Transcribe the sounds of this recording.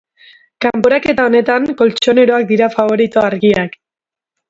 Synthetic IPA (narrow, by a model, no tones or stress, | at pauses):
kampo̞ɾake̞t̪ao̞ne̞t̪aŋko̞lt͡ʃo̞ne̞ɾo̞ak̚d̪iɾafaβo̞ɾit̪oaɾɣiak